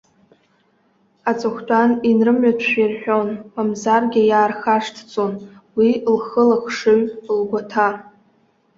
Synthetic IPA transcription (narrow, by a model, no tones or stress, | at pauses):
at͡sʼɨχʷtʷʼaninrɨmɥatʰʃʷᶣirħʷᶣonmamzarɡʲɪjaːrχaʂtʰt͡sʼonwilχəlaχʂɨɥlɡʷatʰa